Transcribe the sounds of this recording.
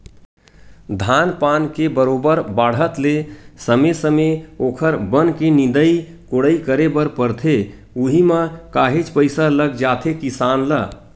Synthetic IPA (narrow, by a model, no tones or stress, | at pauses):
d̪ʱanpankebəɾobəɾbaɽ̤ɦət̪lesəmesəmeokʰəɾbənkenĩnd̪əj | koɽəikəɾebəɾpəɾt̪ʰe | uɦiməkaɦet͡ʃpəɪsaləɡd͡ʒat̪ʰekisanlə